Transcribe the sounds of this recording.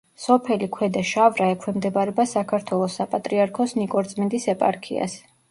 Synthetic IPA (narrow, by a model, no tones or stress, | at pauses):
sɔpʰɛlikʰwɛd̪aʃavɾaɛkʰwɛmd̪ɛbaɾɛbasakʰaɾt̪ʰwɛlˠɔsːapʼat̪ʼɾiaɾkʰɔsnikʼɔɾd̪zmɛnd̪isɛpʼa̰ɾkʰḭa̰s